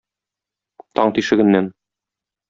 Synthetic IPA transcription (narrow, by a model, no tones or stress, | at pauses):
t̪ɒɴt̪iʃɘ̆ɡɘ̆nːæn